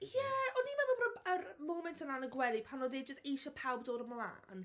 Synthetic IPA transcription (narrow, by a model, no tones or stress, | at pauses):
jɛɔnimɛðəbɾɔəɾmowmɛntʰənanəɡwɛlˠipʰanoðeːd̚d͡ʒəstejʃɔpʰawbdoːɾəmlˠa̰ːn